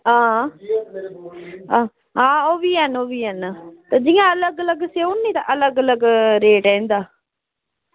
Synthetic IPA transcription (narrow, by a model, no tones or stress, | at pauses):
ãː | ãː | ɦãːoːʋiːɦənoːʋiːɦənt̪eːd͡ʒijãələɡələɡseːʊnːĩːt̪ã̰ʔələɡələɡɾeːʈɛ̃nd̪aː